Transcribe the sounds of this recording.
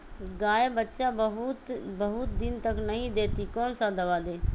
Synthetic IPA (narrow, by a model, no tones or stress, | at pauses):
ɡaːeːbətːʃaːɦt̪bəɦʊt̪̚d̪ɪnt̪əknəɦĩːd̪eːt̪iːkoːnsaːd̪əʋaːd̪eː